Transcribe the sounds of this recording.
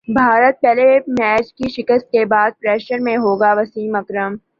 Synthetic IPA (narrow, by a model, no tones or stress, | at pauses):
bʱaːɾət̪̚pɛːlemɛːt͡ʃkiʃɪkəst̪̚kebaːd̪̚pɾɛːʃəɾmẽɦoːɡaʋɐsiːmɐkɾəm